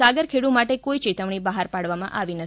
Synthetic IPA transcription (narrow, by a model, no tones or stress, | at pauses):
aɡəɾkʰeɽumaʈekoit͡ʃet̪əʋɳ̃ibaɦaɾpaɽʋamãʔaʋinə